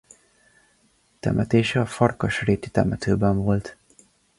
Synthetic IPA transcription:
t̪ɛ̰mʔɛt̪eːʃɛɒfɒrkɒʃreːt̪i̥t̪ɛmɛt̪øːbɛɱvo̞lt̪

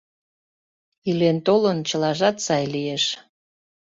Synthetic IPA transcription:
ilent̪olənt͡ɕəlɑʒɑt̪sɑjlijeʃ

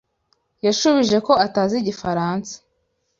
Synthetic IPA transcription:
jaʃuβiʒe̞ko̞ataːziɟifaɾaːnsḁ

